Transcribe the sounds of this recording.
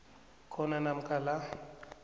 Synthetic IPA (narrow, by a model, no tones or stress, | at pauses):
kʰɔnanam̩kʼala